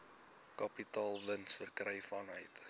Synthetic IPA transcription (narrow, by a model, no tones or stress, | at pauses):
kɐpitɑːlˠvənsfərkrɛjfɑnɦəjt